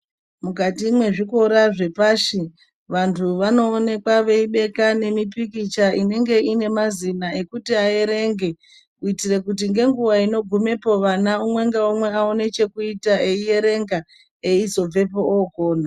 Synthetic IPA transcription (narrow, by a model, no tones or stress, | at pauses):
mukatimwe̞ʐiko̞ɾaʐe̞paːʃi | ʋantʰuʋano̞ːne̞kwaʋe̞iɓe̞kane̞mipikit͡ʃaʔine̞ŋɡe̞ine̞mazinae̞kutiaeɾe̞ŋɡe̞ | kuitire̞kut̬iŋɡe̞ŋɡuʋaino̞ɡʱume̞po̞ʋanaumwe̞ŋɡeomwe̞aone̞t͡ʃe̞kuitaʔe̞ije̞ɾe̞ŋɡa | e̞izo̞b͡ve̞pooko̞ːna